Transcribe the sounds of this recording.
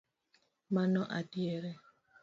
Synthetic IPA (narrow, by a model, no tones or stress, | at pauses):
manɔʔadjeɾɛ